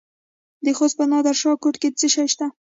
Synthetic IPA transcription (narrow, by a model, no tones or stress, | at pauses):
d̪əxozpənɑd̪aɾʃɑkoʈket͡səʃajʃt̪a